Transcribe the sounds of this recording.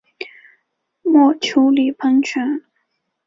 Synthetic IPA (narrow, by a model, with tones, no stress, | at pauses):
mwɔ˥˩t͡ɕʰjo˧˥ʊli˨˩pʰɤ˧˥ŋt͡ɕʰɛ˧˥n